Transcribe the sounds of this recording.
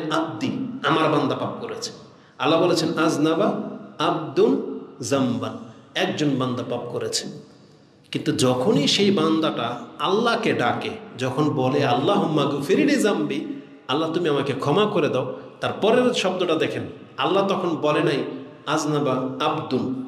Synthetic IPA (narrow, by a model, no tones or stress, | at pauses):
ad̪ːiamaɾband̪apap̚koɾet͡ɕʰe̥n | alːabolet͡ɕʰenaznabaab̚d̪unzambanɛkd͡ʑonband̪apapkoɾet͡ɕʰe̥n | kint̪ud͡ʑɔkʰoniʃejband̪aʈaalːakeɖaked͡ʑɔkʰonbɔlealːaɦumːaɡufiɾinizambi | alːat̪umiamakekʰɔmakoɾed̪ɛot̪aɾpɔɾeɾʃɔb̚d̪oʈad̪ɛkʰen | alːat̪ɔkʰonbɔlenaj | aznabaabd̪un